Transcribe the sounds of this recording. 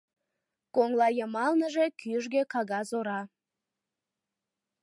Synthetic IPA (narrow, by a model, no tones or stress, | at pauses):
koŋlɑjəmɑlnəʒekyəʒɡekɑɣɑzoɾɑ